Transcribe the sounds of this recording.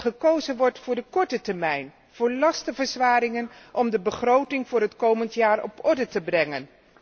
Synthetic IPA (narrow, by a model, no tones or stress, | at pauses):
χəkowzənʋɔɹtfʊːɹdəkɔɹtətɛɹmɛjn | v̥ʊːɹlɑstəvəɹzʋaːɾɪŋənʔɔmdəbəχrowtɪŋvʊːɾɦətkowməntjaːrɔ̰pɔɹdətəbrɛŋən